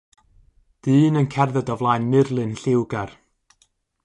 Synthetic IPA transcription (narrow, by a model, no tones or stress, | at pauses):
d̥ɨːnənkʰɛrðɛdɔvlˠajnmɪrlˠɨnɬɪwɡar